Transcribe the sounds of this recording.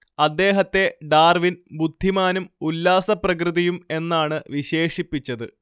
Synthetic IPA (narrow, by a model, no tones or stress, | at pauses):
ɐd̪ːe̞ːɦɐt̪ːe̞ɖaːrʋinbud̪ʱːimaːnumulːaːsɐprɐk̬rɨðijume̞nːaːɳɨʋiɕe̞ːʂipːit͡ɕːɐðɨ